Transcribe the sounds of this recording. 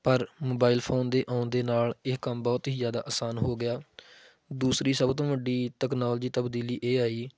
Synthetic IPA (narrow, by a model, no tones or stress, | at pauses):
pəɾmoːbaːɪlpʰoːnd̪eːʔãːʊnd̪eːnaːlɪkəmbɔːt̪ɦiːzjaːd̪a̰ːʔaːsaːnɦoːɡɪjaː | d̪uːsɾiːsəbt̪õːʋəɖiːʈ̪ɛːknaːld͡ʒiːt̪əbd̪iːliːʔeːaːiː